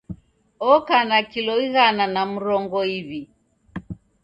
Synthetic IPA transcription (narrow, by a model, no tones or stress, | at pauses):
ɔkanakilɔiɣananamuɾɔŋɡɔiβi